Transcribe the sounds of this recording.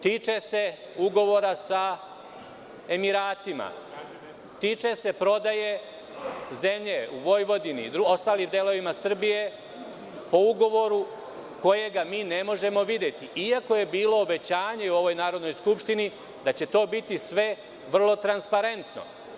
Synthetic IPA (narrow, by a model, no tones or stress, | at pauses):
t̪iːt͡ʃe̞se̞ | uɡo̞ʋo̞ɾasa | e̞miɾaːt̪ima̰ | t̪iːt͡ʃe̞se̞pɾo̞d̪aje̞ | zemʎeuʋo̞jʋo̞d̪inḭd̪ɾuo̞st̪aːliːmd̪elˠo̞ʋimasr̩bije | po̞uɡo̞ʋo̞ɾu | ko̞je̞ɡamiːne̞mo̞ʒe̞mo̞ʋid̪je̞t̪iiako̞je̞biːlo̞ːbe̞t͡ɕaːɲeuo̞ʋo̞jnaːɾo̞d̪no̞jskupʃt̪ini | d̪at͡ɕe̞t̪o̞ːbit̪isʋe̞ | ʋr̩lˠo̞t̪ɾanspaɾe̞nt̪no̰